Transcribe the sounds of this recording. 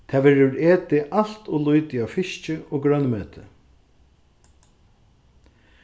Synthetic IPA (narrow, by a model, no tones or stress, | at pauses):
t̪ʰɛːʋɛːɾəɾeːt̪ɪʔal̥t̪ʊlʊjt̪ɪawfɪʃt͡ʃɪɔːɡɾœnmøːt̪ʰɪ̰